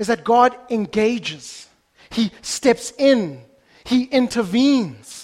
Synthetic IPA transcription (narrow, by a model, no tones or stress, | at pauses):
ɨzðɨt̚ɡ̥ɑɾɨ̃nɡeɪd͡ʒɪz̥ | histɛpsɪ̃n | hiʔɪ̃ntʰəvĩnz̥